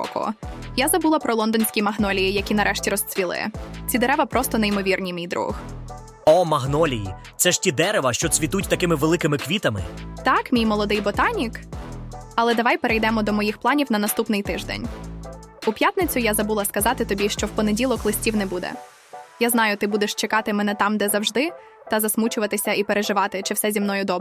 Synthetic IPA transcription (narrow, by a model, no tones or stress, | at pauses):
ɔ̰kɔ̰jazɐbulˠɐpɾɔlˠɔnd̪ɔnʲsʲkʲijmɐɦnɔlʲijijɐkʲinɐɾʔɛʃtʲiɾɔst͡s̪ʲʋʲilˠɪ̰t͡sʲid̪eɾɛʋɐpɾɔst̪ɔnejimɔʋʲirnʲimʲijd̪ɾṵx | ɔmɐɦnɔlʲijḭ | t̪sɛʃtʲid̪ɛɾeʋɐʃt͡ʃɔt͡s̪ʲʋʲit̪ut̚ʲt̪ɐkɪmɪʋelˠɪkɪmɪkʋʲit̪ɐmɪ̰t̪ɑkmʲijmɔlˠɔd̪ɪjbɔt̪ɑnʲik | ɐlˠɛd̪ɐʋɑjpeɾejd̪ɛmɔd̪ɔmɔjixplˠɑnʲiwnɐnɐst̪upnɪjt̪ɪʒd̪ɛ̰nʲ | upʲjat̪nɪt͡sʲʊjazɐbulˠɐskɐzɑt̪ɪt̪ɔbʲiʃt͡ʃɔwpɔnedʲilˠɔklˠɪsʲtʲiwnɛbud̪ɛ̰ | jaznɑjʊt̪ɪbud̪eʃt͡ʃekɑt̪ɪmɛnɛt̪ɑmd̪ɛzɐwʒd̪ɪ | t̪ɐzɐsmut͡ʃʊʋɐt̪ɪsʲɐipeɾeʒɪʋɑt̪ɪt͡ʃɪwsɛzʲimnɔjʊd̪ɔb